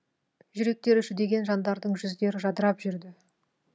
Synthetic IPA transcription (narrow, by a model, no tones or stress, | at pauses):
ʒʏɾe̞k̚t̪e̞ɾʏʃɪd̪e̞ɡʲe̞nʒɑnd̪ɑɾd̪əɴʒʏzd̪e̞ɾɪʒɑd̪əɾɑpʒʏɾd̪ɪ